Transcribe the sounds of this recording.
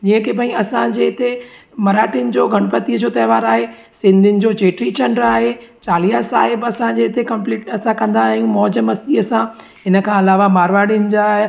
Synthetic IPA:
d͡ʑiːə̃kibʱɐ̃ĩɐsãd͡ʑeɪt̪e | mɐɾaːʈinɪ̆d͡ʑoːɡʱɐɽ̃pət̪iəd͡ʑoːt̪ɐːʋaːɾaːɦe | sɪ̃nd̪ʱɪnɪ̆d͡ʑoːt͡ɕeːʈɾit͡ɕʰɐɳɖəɾaːɦet͡ɕaːlijasa̰ːɦɪbɐsãd͡ʑeɪt̪ʰekɐ̃mpliːʈɐsãkɐ̃nd̪aːɦijũmɔːd͡ʑəmɐsd͡ʑiɐsã | ɦɪnə̆kʰãɐlaːʋamaːɾʋaːɽiʊnɪ̆d͡ʑa

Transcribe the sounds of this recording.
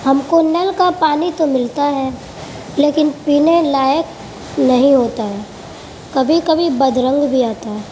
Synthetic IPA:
hɐmkonɛlkapaːnit̪omɪlt̪aɦɛː | leːkɪnpiːnelaːjək | nɐɦĩɦoːt̪aɦɛː | kɐbʱikɐbʱibɐd̪ɾə̃ŋɡbʱiaːt̪aɦɛː

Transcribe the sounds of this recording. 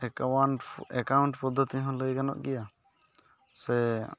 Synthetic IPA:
wanɛkawɳʈpɔd̪ʱːɔt̪iɦɔ̃ləjɡanɔ̰ʔɡɛja | sɛ

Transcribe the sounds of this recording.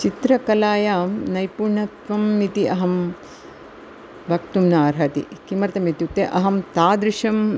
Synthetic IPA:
t͡ʃit̪ɾɐkɐlaːjaːmnɐjpuːɾɳɐt̪ʋɐmːit̪iʔɐɦɐm | bʱɐkt̪umnaːɾɦɐt̪ḭkimɐɾt̪ɐmit̪jut̪ːeʔɐɦɐmt̪aːd̪ɾiʃɐm

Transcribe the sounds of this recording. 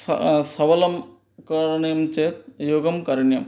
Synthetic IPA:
sɐʋɐlɐm | kɐɾɐɳjɐmt͡ʃeːt̪̚joːɡɐmkɐɾɐɳjɐm

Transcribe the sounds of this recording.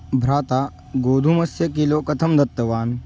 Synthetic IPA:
bʱɾaːt̪a | ɡoːd̪ʱumɐsjɐkilokɐt̪ʰɐmd̪ɐt̪ːɐʋaːn

